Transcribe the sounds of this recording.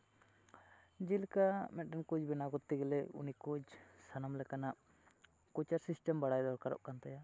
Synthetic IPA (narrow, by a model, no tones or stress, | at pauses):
d͡ʒilkamɛt̪̚ʈɛnkud͡ʒbɛnaɡɔt̪ːiɡɛlɛṵnikud͡ʒsanamlɛkanaʔ | kut͡ʃaɾsisʈɛmbaɽajd̪ɔɾkaɾɔ̰ʔkant̪aja